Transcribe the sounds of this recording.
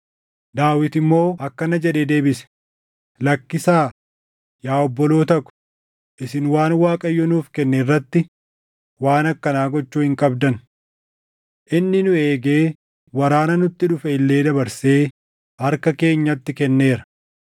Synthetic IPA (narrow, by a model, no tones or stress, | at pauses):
d̪aːwɪt̪ɪmːo̞ːɐkːɐnɐd͡ʒɛᶑeːd̪e̞ːbɪsɛ̥ | lɐkːɪsaː | jaːɔbːɔlo̞ːt̪ɐkʊ̥ | ʔɪsɪnwaːnwaːkʼɐjːɔnuːfkɛnːɛɪrːɐt̪ːɪ | waːnɐkːɐnaːɡɔt͡ʃːuːhɪŋkʼɐbd̪ɐn | ʔɪnːɪnʊe̞ːɡeː | wɐɾaːnɐnʊt̪ːɪᶑʊfɛɪlːe̞ːd̪ɐbɐɾse̞ː | ɐɾkɐke̞ːɲːɐt̪ːɪkɛnːe̞ːɾɐ̥